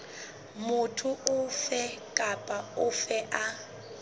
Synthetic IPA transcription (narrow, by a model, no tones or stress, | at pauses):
mʊtʰʊʔʊfɛkʼapʼaʊfɛʔa